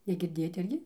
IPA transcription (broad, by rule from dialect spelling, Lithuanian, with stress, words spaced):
nʲɛɡʲɪrʲˈdʲeːjoːt ˈɪrʲɡʲɪ